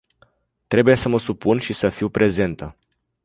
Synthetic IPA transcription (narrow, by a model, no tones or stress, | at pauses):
t̪ɾe̞buje̞səməsupunʃisəfiwpɾʔe̞ze̞nt̪ə